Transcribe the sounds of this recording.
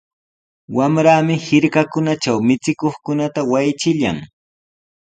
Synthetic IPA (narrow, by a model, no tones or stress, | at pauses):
wamɾaːmɪhɪɾkakʊnat͡ʃawmɪt͡sɪkoχkʊnat̪awajt͡ʃɪʎa̰ŋ